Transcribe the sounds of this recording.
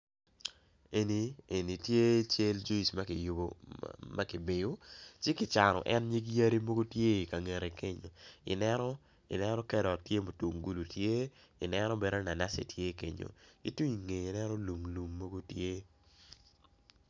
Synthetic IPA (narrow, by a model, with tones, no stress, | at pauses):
e˨ni˨e˨ni˨tje˦t͡ʃje˦ld͡ʒu˦i˨sma˦kɪ˨ju˨bo˨ma˦kɪ˨bɪ˨jo˦t͡ʃɪ˦kɪ˨t͡ʃa˨ɾɔ̰˨ʔɛ˦nɲe˦ɡi˦ja˦ɾi˦mo˦ɡo˦tje˦i˨ka˨ŋe˨ɾe˨ke˦ɲo˨ɪ̰˨nɛ˦ɾɔ˦ | ḭ˨nɛ˦ɾɔ˦kɛ˦dɔ˨tje˦mo˨tu˨mɡu˦lu˨tje˦ɪ̰˨nɛ˦ɾɔ˦be˨ɾo˦na˨na˦sḛ˨tje˦kḛ˨ɲo̰˨ḭ˨twu˦ɲi˨ŋe˨i˨nɛ˦ɾɔ˦lu˨mlu˨mːo˦ɡo˦tje˦